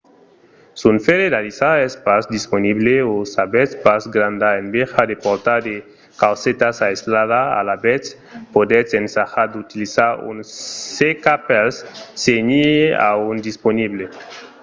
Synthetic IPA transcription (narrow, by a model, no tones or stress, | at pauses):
sunfeɾed̪alisaespazd̪isponiβleosabet͡spazɡɾand̪aenbexad̪epoɾt̪ad̪e | kawset̪asaezlaðaa̰labet͡s | pod̪et͡sensaxad̪ut̪ilisaɾṵnsekapelsseɲia̰und̪isponiβle